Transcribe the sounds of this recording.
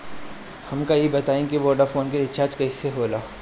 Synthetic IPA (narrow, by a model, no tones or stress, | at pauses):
hɐmkajebɐt̪aːẽkiʋɔːɾɖəɾfoːnkeɾɪt͡ʃʰaːɾd͡ʒkɐiseɦoːlaː